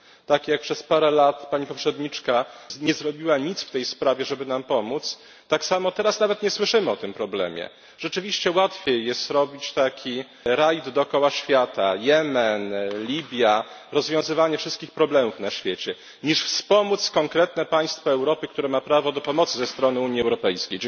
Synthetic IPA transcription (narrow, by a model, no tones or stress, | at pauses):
t̪akjak̚pʂɛspaɾɛlat̪paɲipɔpʂɛd̪ɲit͡ʂkaɲɛzɾɔbʲiwaɲit̪sft̪ɛjspɾavʲjɛʐɛbɘnampɔmut̪s | t̪aksamɔt̪ɛɾasnavɛt̪ɲɛswɘʂɘmɘɔt̪ɘmpɾɔblɛ̰mʲjɛ̰ | ʐ̥ɛt͡ʂɘvʲiɕt͡ɕɛwat̪fʲjejːɛst̪ɾɔbʲit͡ɕt̪akʲʰi | ɾajd̪d̪ɔːkɔwaɕfʲjat̪ajɛmɛnlʲibʲja | ɾɔzvʲjɔ̃w̃zɘvaɲɛfʂɘst̪kʲixpɾɔblɛmufnaɕfʲjet͡ɕɛ | ɲiʂfspɔmut̪skɔŋkɾɛt̪nɛpaj̃st̪faɛwɾɔpɘkt̪uɾɛmapɾavɔd̪ɔpɔmɔt̪szɛst̪ɾɔnɘuɲjiɛwɾɔpɛjskʲej